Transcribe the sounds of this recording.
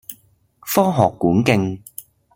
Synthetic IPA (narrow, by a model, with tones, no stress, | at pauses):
fɔː˥ɦɔː˨kːuː˨˥nkɪ˧ŋ